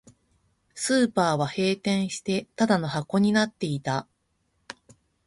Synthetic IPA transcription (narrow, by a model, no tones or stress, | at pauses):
sɨːpaːβahe̞ːt̪ẽ̞ɰ̃ɕi̥t̪e̞t̪ad̪ano̞hako̞ɲ̟inat̪ːe̞it̪a